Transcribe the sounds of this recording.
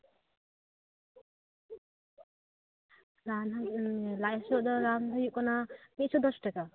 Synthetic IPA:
ɾanlajasɔd̪ɔɾamd̪ɔjukɔnamit̪sɔd̪ɔsʈaka

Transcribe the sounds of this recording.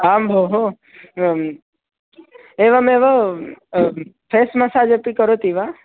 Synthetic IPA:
ambʱoɦo | eʋameʋa | pʰesmãsad͡ʒəpikəɾot̪iʋa

